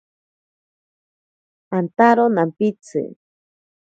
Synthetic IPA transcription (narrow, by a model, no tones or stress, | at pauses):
ant̪aɾonampit͡sʰɨ̰